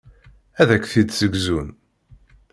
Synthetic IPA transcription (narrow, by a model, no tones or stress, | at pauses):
æðækθid̪səɡzun